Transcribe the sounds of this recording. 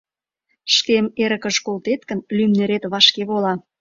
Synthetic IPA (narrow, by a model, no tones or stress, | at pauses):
ʃkemeɾə̆kə̆ʃkolt̪et̪̚kə̆nlymneɾet̪βɑʃkeβolɑ